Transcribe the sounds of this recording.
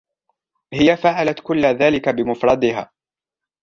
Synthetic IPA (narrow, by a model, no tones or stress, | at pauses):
hɪjafaʕalat̪kʊlːaðaːlɪkabɪmʊfɾˤɑd̪ɪɦa̰ː